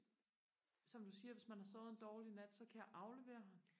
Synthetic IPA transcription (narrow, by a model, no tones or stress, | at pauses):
sɒ̽md̥usiːɐʋe̝smænhɑ̈sɔ̽ːðˠend̥ɒːlinæd̥sɒ̽kʰæjɑ̈ʔɑ̈ʊle̝ʋe̝̰ːɐɦɑm